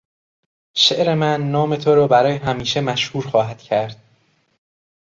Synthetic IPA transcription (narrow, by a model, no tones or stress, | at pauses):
ʃeʔɾe̞mænːɒːme̞t̪ʰoɾɒːbæɾɒːjeɦæmiːʃe̞mæʃhuːɾxɒːɦæd̪̥cʰæɾd̪̥̚